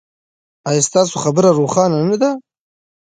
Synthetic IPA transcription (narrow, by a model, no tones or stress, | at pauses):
ɑjast̪ɑːsoxabəɾaɾoːxɑːnanad̪a